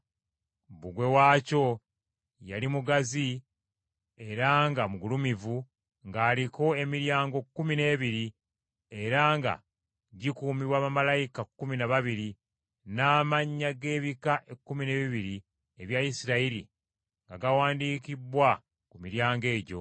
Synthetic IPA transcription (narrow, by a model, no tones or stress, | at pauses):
buɡwe̞waːco̞ | jalimuɡazi | e̞ɾaːŋɡamuɡulumivu | ŋɡaːliko̞e̞miɾjaːŋɡo̞kːumine̞ːβiɾi | e̞ɾaːŋɡa̰ | ɟikuːmiβwaːβamalajikakːuminaβaβiɾi | naːmaɲːaɡe̞ːβikaʔe̞kːumine̞ːβiβiɾi | e̞βjaisiɾaiɾḭ | ŋɡaɡawaːndiːkibwa | kumiɾjaːŋɡe̞ːɟo̞̰